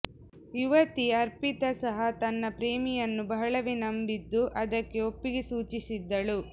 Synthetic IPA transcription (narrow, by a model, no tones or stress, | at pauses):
uʋɐt̪iɐɾpit̪ɐsɐɦɐt̪ɐnːɐpɾeːmijɐnːubɐɦɐɭɐʋenɐmbid̪ːuʔɐd̪ɐkːe̞o̞pːiɡesuːt͡ʃisid̪ːɐɭu